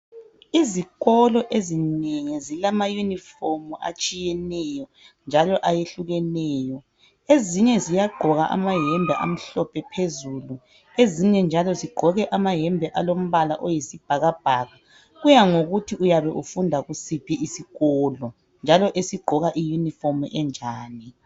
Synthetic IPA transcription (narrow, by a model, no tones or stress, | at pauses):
iziɣɔlɔʔezineŋizilamajunifomua̰t͡ʃʼijɛnɛjɔ | nd͡ʒʱalɔʔajeɬuɣɛnɛːjɔ | eziɲɛzijaɡ͡ǃʱɔɣa̰ʔa̰maɦɛmbʱɛʔa̰m̩ɬɔpʰɛpʰezulu | eziɲɛnd͡ʒʱalɔziɡ͡ǃʱɔɣɛʔamaɦɛmbʱɛʔalom̩βala̰ʔojisib̥ʱaɣab̥ʱaːɣa | ɣujaŋoɣutʰiʔujaβɛʔufundʱaɣusipʰiisiɣɔːlɔ | nd͡ʒʱalɔʔesiɡ͡ǃʱɔɣaʔijunifomʔɛnd͡ʒʱaːni